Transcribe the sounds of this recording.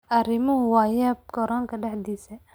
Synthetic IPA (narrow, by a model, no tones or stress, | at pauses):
ʔɐɾɪmʊɦʊwɑːjaːb̚kɔɾɔːŋkʰɐɖɛħd̪iːsɐ